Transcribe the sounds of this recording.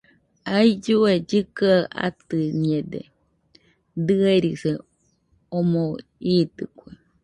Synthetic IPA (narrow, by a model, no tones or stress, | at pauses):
aid͡ʒued͡ʒɨkaʔa̰t̪ɨɲed̪ḛ | d̪ɨeɾise | omo | iːt̪ɨkʷe